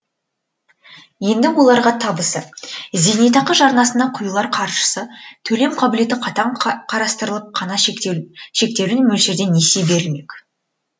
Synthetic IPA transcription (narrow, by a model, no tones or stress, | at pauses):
je̞nd̪ɪwolˠɑɾʁɑt̪ʰɑbəsəze̞net̪̬ɑqəʒɑɾnɑsənd̪ɑqʰʊjlˠɑɾqʰɑɾʃə̥sət̪ʰɵle̞mqʰɑbɪle̞t̪ɪqʰɑt̪ɑɴqʰɑɾɑst̪əɾəlˠəp̚qʰɑnɑ | ʃe̞k̚t̪e̞wɪnmɵlʃeɾd̪e̞ne̞sejbe̞ɾɪlme̞kʲ